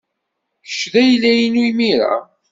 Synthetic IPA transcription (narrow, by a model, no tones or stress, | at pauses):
ə̥ʃðæjlːæjinujmiɾa̰